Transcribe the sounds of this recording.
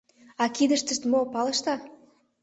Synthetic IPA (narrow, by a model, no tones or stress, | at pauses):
ɑkid̪əʃt̪ə̆ʃt̪mopɑlə̆ʃt̪ɑ